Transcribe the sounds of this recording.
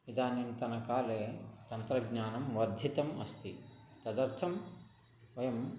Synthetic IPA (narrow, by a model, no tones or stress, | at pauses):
ʋid̪aːnint̪ɐnɐkaːleːt̪ɐnt̪ɾɐɡɲaːnɐmʋɐd̪ʱːit̪ɐmɐst̪it̪ɐd̪ɐɾt̪ʰɐm | ʋɐjɐm